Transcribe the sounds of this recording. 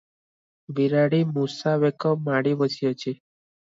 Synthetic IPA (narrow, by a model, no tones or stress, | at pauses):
ʋiɾaɽimusaʋekəmaɽibəsijot͡ʃʰe